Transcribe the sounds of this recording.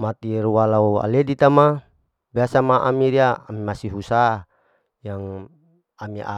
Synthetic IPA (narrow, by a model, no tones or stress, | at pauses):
mat̪iɾuwalaua̰ledit̪ama | biasamaʔamiɾiaːmimasiɦusa | jaŋ | amiʔa̰